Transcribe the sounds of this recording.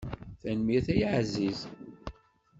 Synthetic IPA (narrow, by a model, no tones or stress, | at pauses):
θænmiθæjəʕziz